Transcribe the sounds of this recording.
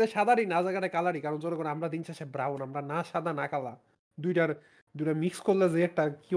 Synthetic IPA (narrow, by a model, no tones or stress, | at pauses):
eʃad̪ʱaɾinad͡ʑakaɾekalaɾikaɾond͡ʑɔnokoɾamɾad̪inʃʰaʃebɾawnamɾanaʃad̪ʱanakala | d̪ujʈaɾ | d̪ujʈamikskoɾlezeɛk̚ʈaki